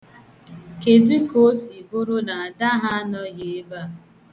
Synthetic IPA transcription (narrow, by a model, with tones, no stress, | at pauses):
ke˨di˦ko˦si˨bo˦ɾo˦na˨a˨da˦ɦa˦nɔ˦ɣe˨e˦ba˦